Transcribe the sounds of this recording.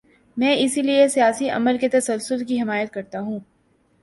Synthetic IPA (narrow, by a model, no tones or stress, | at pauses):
mɛ̃ːɪsiliesijaːsiʔɐ̰məlket̪ɐsɐlsʊlkiɦɪmaːjət̪̚kɐɾt̪aɦũː